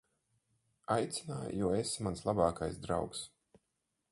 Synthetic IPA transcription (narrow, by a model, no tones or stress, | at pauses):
ajt̪sinaːj̰jɔɔesmanslˠabaːkajsd̪ɾa̰wks